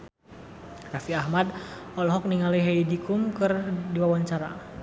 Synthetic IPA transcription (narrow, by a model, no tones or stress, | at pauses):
rafiahmadɔlɔɦɔk̚niŋaliɦaidikʊmkɨrdiwawaɲt͡ʃaɾa̰